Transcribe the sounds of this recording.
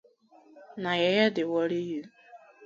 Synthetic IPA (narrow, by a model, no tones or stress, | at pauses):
naɣɛjɛdɪwɔɾiju